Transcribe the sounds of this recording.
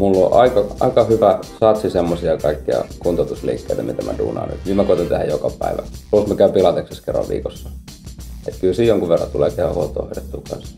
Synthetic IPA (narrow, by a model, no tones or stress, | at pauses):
mulːo̰ʔɑikɑɑ̰ikɑhyʋæsɑt̪sisemːosiɑkɑikːiɑ̰kunt̪ot̪uslḭːkːḛit̪æmit̪æmædṵːnɑ̰ony̰t̪miːmækoit̪ɑnt̪ehæjokɑpæiʋæposmækæypilɑt̪ekseskerːɑ̰ʋʋḭːkosːɑ̥ | ḛt̪kylsiːjoŋkuʋerːɑt̪uleːkehʋæhuot̪ːˑo̰ːho̰ijet̪ːuːkɑ̰nsɑ̥